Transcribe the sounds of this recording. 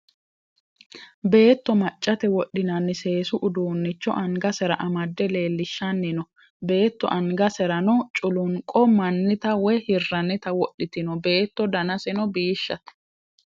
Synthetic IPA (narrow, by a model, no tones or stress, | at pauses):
be̞ːt̪ːɔmɐt͡ʃʼːɐt̪ɛwɔɗːɪnɐnːɪse̞ːsʊʔʊd̪uːnːɪt͡ʃːɔ̰ʔɐŋɡɐsɛɾɐʔɐmɐd̪ːɛle̞ːlːɪʃːɐnːɪnɔ | be̞ːt̪ːɔ̰ʔɐŋɡɐsɛɾɐnɔt͡ʃʼʊlʊŋkʼɔmɐnːɪt̪ɐwɛhɪrːɐnːɪt̪ɐwɔɗːɪt̪ɪnɔbe̞ːt̪ːɔd̪ɐnɐsɛnɔbiːʃːɐt̪